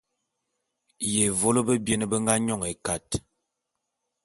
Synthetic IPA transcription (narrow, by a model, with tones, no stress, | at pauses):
je˨vo˦lə˦bə˦bje˦nə˦bə˦ŋɡa˦ɲɔ˦˨ŋe˨ka˨t